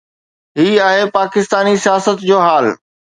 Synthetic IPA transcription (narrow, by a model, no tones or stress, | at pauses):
ɦiːaːɦepaːkɪst̪aːnisijaːsət̪d͡ʑoːɦaːl